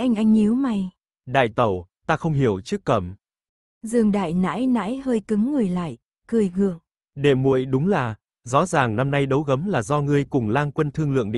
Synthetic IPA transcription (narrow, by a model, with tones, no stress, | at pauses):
ʔɛ˧jŋ̟ʔa˧jŋ̟i˨˦wma˨˩j | ɗa̰ː˧˨jt̪ə˧˩wt̪aː˧xə˧wŋ͡mɦi˧˩əwt͡ɕɨ˦˥kːə˧˩m | zɨ˨˩əŋɗa̰ː˧˨jna̰ː˧˥jna̰ː˧˥jhəː˧jkɨ˨˦ŋːɨ˨˩jla̰ː˧˨j | kɨ˨˩əjŋɨ˨˩əŋ | ɗe˨˩mṵ˧˨əjɗʊ˨˦ŋ͡mlaː˨˩ | zɔ̰˧˥zaː˨˩ŋna˧mna˧jɗə˨˦wɣə˨˦mlaː˨˩zɔ˧ŋɨ˧əjkʊ˨˩ŋ͡mlaː˧ŋkwə˧nt̪ʰɨ˧əŋlɨ̰˧˨əŋɗ̰